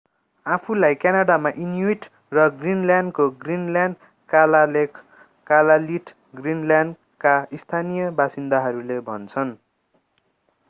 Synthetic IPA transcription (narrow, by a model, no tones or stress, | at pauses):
apʰulajkjanaɽamaʔinjiʈ | rʌɡrinljanɖkoɡrinljaɳɖ | kalle | kalaliʈʰ | ɡrinljanɖ | kaist̪ʰanijʌbasind̪aɦʌɾulebʱʌ̰nt͡sʰʌn